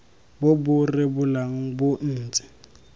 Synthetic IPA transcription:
bʊbʊrɪbʊlaŋ̩bʊn̩ːt͡sʼɪ̥

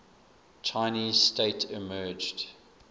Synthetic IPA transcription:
t͡ʃʰaɪniːzsteɪtʰɪmɜːd͡ʒd

